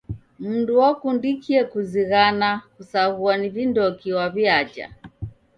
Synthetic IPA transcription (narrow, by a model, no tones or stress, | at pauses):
m̩nduwakundikiɛkuziɣanakusaɣuanivindɔkiwaviad͡ʒa̰